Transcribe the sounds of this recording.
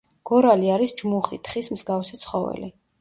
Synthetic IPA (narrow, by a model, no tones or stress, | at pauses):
ɡ̥ɔɾaliaɾisd͡ʒmuχit̪ʰχismzɡafsit̪sʰχɔvɛ̰li